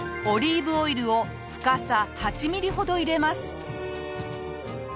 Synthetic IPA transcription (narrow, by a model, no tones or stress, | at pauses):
o̞ɾʲiːbɯ̟o̞iɾɯ̟o̞ | ɸɯ̥kasahat͡ɕimʲiɾʲiɦo̞d̪o̞iɾe̞masɨ̥